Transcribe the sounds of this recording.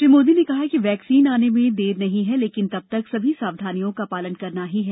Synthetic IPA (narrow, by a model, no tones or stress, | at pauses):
ʈɪmoːd̪inekɐɦakiʋɛːksiːnaːnemẽd̪eːɾnɐɦĩɦɛleːkɪnt̪ɐb̚t̪ɐksɐbʱisaːʋd̪ʱaːnijõkapaːlənkɐɾnaɦiɦɛː